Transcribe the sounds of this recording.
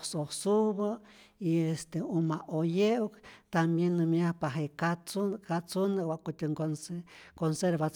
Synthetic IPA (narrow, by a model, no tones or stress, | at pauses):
sohsuβaiest̪eumaʔojewkt̪ambjenːɨmjahpaɦekat͡sukat͡sunawʷaʔkut̪ʲeŋkonsekonseɾba